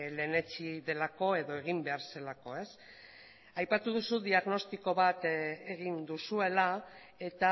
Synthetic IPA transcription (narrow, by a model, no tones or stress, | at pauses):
le̞ːne̞t͡ʃiðe̞lako̞e̞ðo̞e̞ɣ̞imbe̞aɾse̞lako̞e̞s | ajpat̪uð̞usuðiaɣno̞st̪iko̞βat̪eɣind̪usue̞la | e̞t̪a